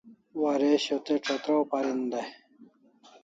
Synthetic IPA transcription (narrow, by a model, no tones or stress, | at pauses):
wɐɾeɕot̪eʈ͡ʂʰot̪ɾowpɐɾind̪ɐ